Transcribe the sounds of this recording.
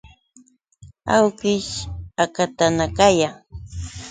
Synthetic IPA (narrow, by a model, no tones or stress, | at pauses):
awkɪʃakat̪anakaja